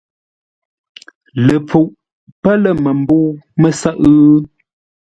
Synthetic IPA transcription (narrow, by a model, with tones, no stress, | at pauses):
lə˨p͡fu˨ʔ | pə˦lə˨mə˨m̩˦bu˦mə˦sə˦ʔ